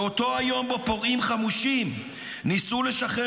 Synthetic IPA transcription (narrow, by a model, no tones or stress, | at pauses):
ot̪o̞ajo̞mbepo̞ʁimχamuʃim | nisuleʃaχe